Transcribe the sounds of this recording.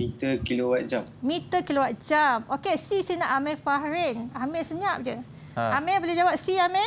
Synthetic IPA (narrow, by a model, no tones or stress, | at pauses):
mit̪əkilowat̪̚d͡ʒammit̪əkilowat̪̚d͡ʒamokesisinaʔamɛ̃faɾɛnamɛ̃səɲãp̚d͡ʒə | amɛ̃bolehd͡ʒawap̚siamɛ